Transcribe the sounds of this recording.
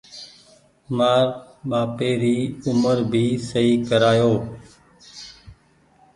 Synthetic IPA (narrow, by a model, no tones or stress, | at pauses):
maːɾ | ɓaːpeːɾiːʊməɾbʱiːsəiːkəɾaːjoː